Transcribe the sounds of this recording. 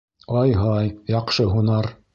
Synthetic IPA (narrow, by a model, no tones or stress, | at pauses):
ɑjɦɑjjɑqʃɤɦunɑɾ